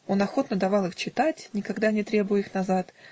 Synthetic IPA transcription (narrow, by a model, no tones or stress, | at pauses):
o̞nɐxo̞t̪nəd̪ɐvɑlˠɨxt͡ɕɪt̪atʲnʲɪkɐɡd̪anʲɪt̪ɾʲe̞bʊjʊixnɐzat̪